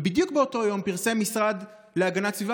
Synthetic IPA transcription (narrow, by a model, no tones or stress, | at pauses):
bid̪juk̚beo̞to̞jo̞mpiʁsemisʁad̪ | le̞aɡanat͡sviva